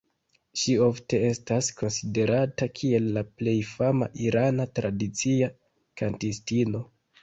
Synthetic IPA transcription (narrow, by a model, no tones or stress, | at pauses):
ʃio̞fte̞e̞stasko̞nside̞ɾatakʰie̞lːaple̞jfama̰ʔiɾanatɾʔadit͡sia | kantistino̞